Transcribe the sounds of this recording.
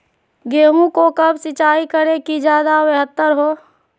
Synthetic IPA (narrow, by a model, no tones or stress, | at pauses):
ɡeːɦũkokəbsɪt͡ʃaːikəɾekid͡ʒjaːd̪aweɦət̪ːəɾɦoː